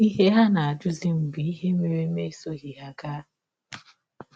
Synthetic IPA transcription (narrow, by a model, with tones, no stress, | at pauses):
i˦ɦe˦ɦa˦na˨a˨d͡ʒʊ˦zi˦m̩˨bi˨i˦ɦe˦me˨ɾe˦me˦so˦ɦi˨ɦa˨ɡaː˦